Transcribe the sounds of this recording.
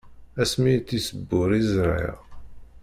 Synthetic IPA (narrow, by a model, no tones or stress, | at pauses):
æsmit̪ːisəbːʊɾizɾˤḭʁ